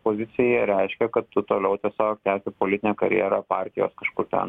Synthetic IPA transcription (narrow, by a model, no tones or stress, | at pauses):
poːzʲɪsʲɪjɛɾʲɛɪʃʲkʲɛkɐt̪t̪ːʊt̪oːlʲɛʊt̪ʲiɛsʲoːk̚t̪ʲæːsʲɪpoːlʲɪt̪ʲɪnʲɛːkɐɾʲjḭːɾɐpɑːˑɾʲt̪ʲɪjo̰ːskɐʃkʊɾt̪ʲɛ̰n